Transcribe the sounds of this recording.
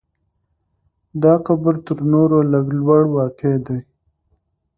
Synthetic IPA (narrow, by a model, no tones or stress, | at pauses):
d̪ɑqabəɾt̪əɾnoɾolaɡlwaɽwɑked̪aj